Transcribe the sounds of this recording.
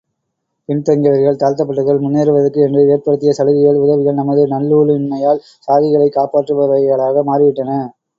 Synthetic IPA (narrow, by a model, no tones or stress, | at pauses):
pɪnt̪ɐŋɡɐʋɐɾɣɐɭt̪aːɾt̪ɐpːɐʈːɯɣɐɭmʊnːeːɾɯʋɐðɐkːɯɛndrɯeːɾpɐɽɯt̪ːɪjɐsɐɻɯɣɪɣɐɭʊðɐʋɪɣɐɭnɐmɐðɯnɐlːuːɭɪnmɐjaːɭ | saːɣɪɣɐɭɐɪkːaːpaːʈrɯʋɐʋɐɣɐɭaːɣɐmaːrɪʋɪʈːɐnɐ